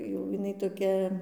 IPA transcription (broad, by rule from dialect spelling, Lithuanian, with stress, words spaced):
jɛʊ jɪˈnɐɪ toːˈkʲɛ